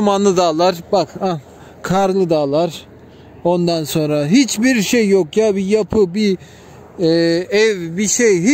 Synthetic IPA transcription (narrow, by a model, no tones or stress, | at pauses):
manˠɯd̪aːlˠaɾ̥baka | kʰaɾlˠɯd̪aːlˠaɾ̥ | o̞nd̪anso̞nɾaɦit͡ʃbiɾʃejːokjaːbijapʰɯbi | ɛvbiʃejɦi